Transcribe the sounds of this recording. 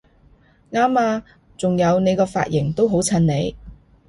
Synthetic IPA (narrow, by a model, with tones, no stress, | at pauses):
ŋaː˥maː˧ | t͡sʊ˨ŋjɐ˨˧wne˨˧jkɔː˧fa̰ː˧t̚jɪ˨˩ŋt̪o˥wɦo˨˥wt͡sʰɐ˧nne˨˧j